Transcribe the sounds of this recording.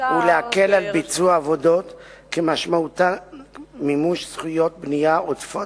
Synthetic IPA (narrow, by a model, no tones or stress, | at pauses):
uleakelalbit͡suaːvodo̞t̪kemaʃmaut̪a | mimuʃsχujo̞t̪̚bnijaʔotfo